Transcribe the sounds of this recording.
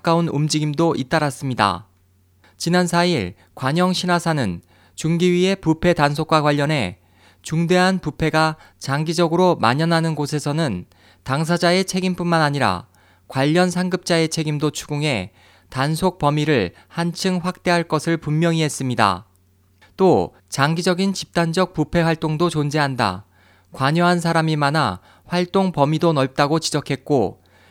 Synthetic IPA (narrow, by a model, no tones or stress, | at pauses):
k͈aunumd͡ʑiɡimdoʔit͈aɾas͈ɯmɲida̰ | t͡ɕinansʰaiɭ | kwaɲʌŋɕʰinasʰanɯn | t͡ɕuŋɡiɥie̞pupʰe̞tansʰokwakwaʎːʌnɦe̞ | t͡ɕuŋde̞ɦanpupʰe̞ɡa | t͡ɕaŋɡid͡ʑʌɡɯɾomaɲʌnɦanɯnɡosʰe̞sʰʌnɯn | taŋs̬ʰad͡ʑae̞t͡ɕʰe̞ɡimp͈unmanaɲiɾa̰ | kwaʎːʌnsʰaŋɡɯp̚t͡ɕ͈ae̞t͡ɕʰe̞ɡimdot͡ɕʰuɡuŋɦe̞ | tansʰok̚p͈ʌmiɾɯɭ | hant͡ɕʰɯŋɸwak̚t͈e̞ɦaɭk͈ʌsʰɯɭpummjʌŋiɦe̞s͈ɯmɲida̰ | t͈o | t͡ɕaŋɡid͡ʑʌɡint͡ɕip̚t͈and͡ʑʌk̚pupʰe̞waɭt͈oŋdot͡ɕond͡ʑe̞ɦanda̰ | kwaɲʌɦansʰaɾamimana̰ | ɸwaɭt͈oŋpʌmidonʌɭp̚t͈aɡot͡ɕid͡ʑʌkʰe̞t̚k͈o